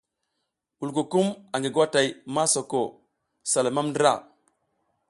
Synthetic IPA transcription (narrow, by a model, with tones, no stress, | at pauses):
wu˨lko˨ku˦ma˨ŋɡe˨ɡwa˦ta˨jma˦so˨ko˨ | sa˨lo˨ma˦mnda̰˦˨